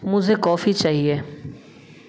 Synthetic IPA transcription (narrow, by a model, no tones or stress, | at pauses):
mʊ̃ːzekɔːfit͡ɕaːɦieː